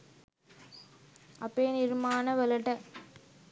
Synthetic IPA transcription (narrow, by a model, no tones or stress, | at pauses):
ɐpːeːnɪɾmaːnɐʋɛlɐʈːɐ